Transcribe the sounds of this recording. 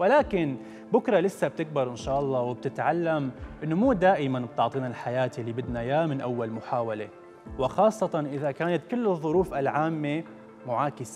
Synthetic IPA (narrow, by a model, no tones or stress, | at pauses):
wɪlaːkɪn | bʊkɾˤɑlɪsːab̚t̪ɪk̚bɪɾˤʔɪnʃaːʔɑlˤːɑːwɪb̚t̪ɪt̪ʕalːamʔɪnːomuːd̪aːʔɪmanb̚t̪ʊʕt̪ˤiːnalħajaːt̪lːibɪd̪najaːmɪnʔawːalmʊħaːwale | wɪxɑːsˤːɑt̪ɑnʔɪðakaːnat̪kɪlːɨðˤːʊɾuːfalʕaːmːe | mʊʕaːkɪse